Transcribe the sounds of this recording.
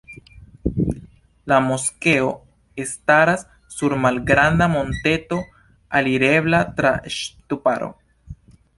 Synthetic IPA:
lamoske̞o̞ | estaɾasː | uɾmalɡɾandamo̞nte̞to̞ | aliɾe̞blatɾaʃtupaɾo̰

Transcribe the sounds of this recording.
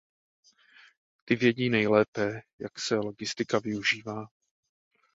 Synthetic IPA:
t̪ɪvjɛɟiːnɛjlɛːpɛja̰ksɛlo̞ɡɪst̪ɪkavɪuʒiːvaː

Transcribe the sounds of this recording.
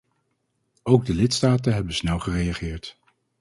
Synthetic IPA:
owɡ̚dəlɪtstaːtənɦɛbənsnɛlˠχərejaχɪːɹt

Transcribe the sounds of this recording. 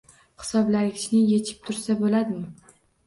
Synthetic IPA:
hɨ̥sɒblaɾɡʲt͡ʃnɪje̞t͡ʃʰɪ̥p̚t̪ʰʊɾsabolad̪ɪmɪ

